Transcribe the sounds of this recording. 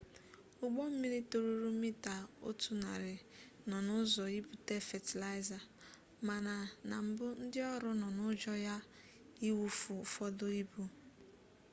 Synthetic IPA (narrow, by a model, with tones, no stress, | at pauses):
ʊ˦ɡ͡bɔ˦m̩˦mi˦ɾi˦to˨ɾu˦ɾu˦mi˦ta˨o̰˦tu˨na̰˨ɾɪ˨ | nɔ˨nʊ˦zɔ˨i˦bu˨te˦fɛ˨ti˨la˦ɪ˦za˨ | ma˨na˨na˨m̩˦bʊ˦n̩˦dɪ˦ɔ˦ɾʊ˦nɔ˨nʊ˦d͡ʒɔ˦ja˦ | i˦wu˦fu˨fɔ˦dʊ˦i˦bu˦